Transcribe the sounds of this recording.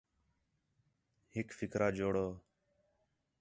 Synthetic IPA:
hɪkfɪkɾʔaːd͡ʒoːɽoː

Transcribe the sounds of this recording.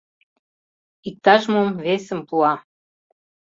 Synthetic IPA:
ik̚t̪ɑʒmomvesə̆mpuɑ

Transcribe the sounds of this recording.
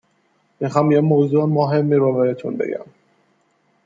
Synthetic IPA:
mixɒmjemowzumoɦemːibɒvæɾet̪ʰunbḛɡæ̰m

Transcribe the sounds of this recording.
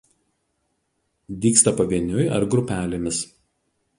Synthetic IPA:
d̪ʲiːkst̪ɐpɐʋʲiɛnʲʊjɪɐ̰ɾɡɾʊpʲæːlʲemʲɪs

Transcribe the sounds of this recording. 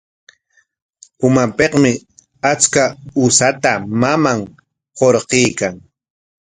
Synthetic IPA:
ʊmapeqmɪ | at͡skaʊsat̪amamaŋ | hoɾqejkaŋ

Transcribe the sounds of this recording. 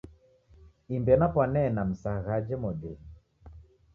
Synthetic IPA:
imbɛnapwanɛnam̩saɣad͡ʒɛmɔɗɛ

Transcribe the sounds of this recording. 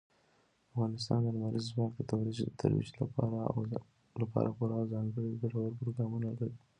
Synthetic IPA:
afɣɑnɪst̪ɑ̰nd̪ənmaɾʔizzwɑk̚d̪ət̪awɾit̪ʰa̰ɾwḭʃlapɑɾa̰ | lapɑ̰ɾʔapuɾawzɑŋɡəɽib̪aɾaɣaɾpɾoɡɾɑmunakali

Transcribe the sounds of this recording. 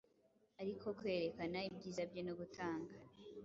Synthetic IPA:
aɾiko̞kwe̞ːɾe̞kanaib̚ɟiːzabɟenoɡutaːŋɡa

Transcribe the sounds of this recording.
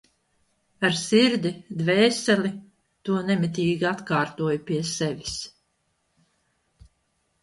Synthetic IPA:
aɾsiɾd̪id̪vɛːsɛlʲi | t̪uɔnɛmit̪̬ʲiːɡiat̪kaːɾt̪uɔjupiɛsɛvʲi̥s

